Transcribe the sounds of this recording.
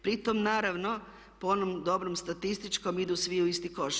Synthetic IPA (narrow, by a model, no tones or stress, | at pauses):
pɾit̪omnaːɾaʋno | poonomd̪o̞bɾomst̪at̪ist̪it͡ʃko̞mid̪usʋiuist̪iko̞ʃ